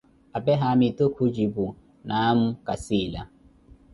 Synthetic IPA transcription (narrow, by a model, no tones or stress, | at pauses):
abɛɦamitokʰud͡ʒibu | naːm̩kasiːla̰